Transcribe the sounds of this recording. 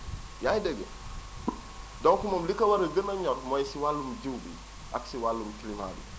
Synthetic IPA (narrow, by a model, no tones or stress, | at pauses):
jajdəɡə̰ | dɔŋkumɔmlikɐwɐɾɐɡənɐɲɔɾmɔjsiwalːumɟiwbḭ | ʔaksiwalːumukilima̰bḭ